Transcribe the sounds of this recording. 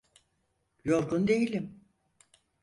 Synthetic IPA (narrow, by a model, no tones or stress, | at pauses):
jo̞ɾɡund̪e̞jilʲim